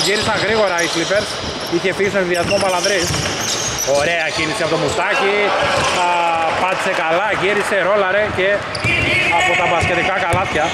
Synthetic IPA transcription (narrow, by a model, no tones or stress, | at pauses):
ʝiɾisɐŋɣɾiɣo̞ɾɐislipeɾs | içe̞fiʝist̪oneðiɐzmopɐlɐðɾis | o̞ɾe̞ɐcinisiɐpo̞t̪omust̪ɐci | pɐt̪i̥sekɐlɐʝiɾiseɾo̞lɐɾe̞ce | ɐpot̪ɐbɐscet̪ikɐkɐlɐt̪çɐ